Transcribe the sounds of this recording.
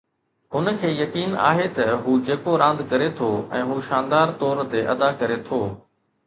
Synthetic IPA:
ɦʊnkʰeːjɐkiːna̰ːɦet̪ɐɦuːd͡ʑeːkoɾãːnd̪kɐɾet̪ʰoɛ̰̃ːɦuːʃãːnd̪aːɾt̪ɔːɾt̪eʔɐd̪akɐɾet̪ʰoː

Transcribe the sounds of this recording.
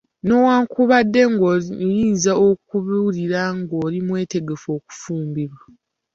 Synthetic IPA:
no̞waːŋkuβadːe̞ŋɡojiːnzaokuβuliɾaŋɡoːlimwe̞ːte̞ɡe̞fo̞ːku̥fuːmbiβwa

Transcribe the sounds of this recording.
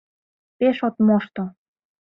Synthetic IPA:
peʃot̪moʃt̪o

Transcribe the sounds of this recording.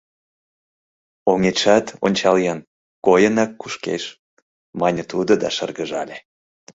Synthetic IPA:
oŋeʃɑt̪o̰nʲt͡ɕɑljɑn | kojənɑkːuʃkḛʃ | mɑnʲət̪ud̪od̪ɑ̰ʃərɣəʒɑlʲe

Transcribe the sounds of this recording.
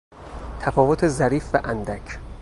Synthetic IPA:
t̪ʰæfɒːvot̪ʰezæɾiːfvæʔænd̪æcʰ

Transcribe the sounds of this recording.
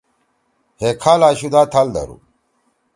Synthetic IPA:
hekʰaːlaːɕud̪aːt̪ʰald̪ɐ̰ɾṵ

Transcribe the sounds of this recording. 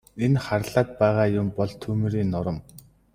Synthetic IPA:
enχaɾ̆ɮaːt̪̚pæːʁaːjʊmpɔɮt̪ʰɵmɘɾiːnːɔɾɞ̆m

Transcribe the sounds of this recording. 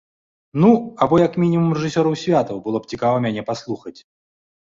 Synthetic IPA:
nuabɔjɐkmʲinʲimumrɛʐɨsʲɔɾɐwsʲvʲat̪ɐwbɨlˠɔp̚t͡sʲikavɐmʲanʲɛpaslˠuxɐt͡sʲ

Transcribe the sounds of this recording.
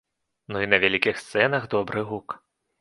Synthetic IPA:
nuinɐvʲælʲikʲixst̪sɛnɐɣd̪ɔbɾɨɣuk

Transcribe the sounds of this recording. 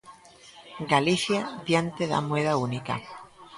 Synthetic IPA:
ɡaliθjadjant̪eða̰mweðaunika̰

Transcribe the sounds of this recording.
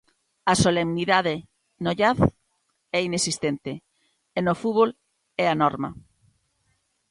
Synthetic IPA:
ɐsolemniðaðɪ | noʎaθ | ɛinesist̪ent̪e | enofuβol | ɛanɔɾmɐ̰

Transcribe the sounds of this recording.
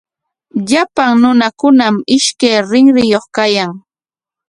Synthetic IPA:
ʎapaŋnʊnakʊnamɪʃkajɾɪŋɾɪjoχkajaŋ

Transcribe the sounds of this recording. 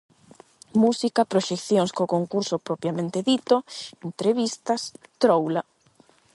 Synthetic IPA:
musikɐpɾoʃekθjoŋskokoŋkuɾsopɾopɾjamẽnt̪eðit̪oent̪ɾeβist̪ɐst̪ɾowla

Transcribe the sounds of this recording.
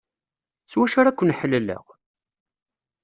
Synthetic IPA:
t͡sːwæʃaɾækʷːənħəlːələ̰ʁ

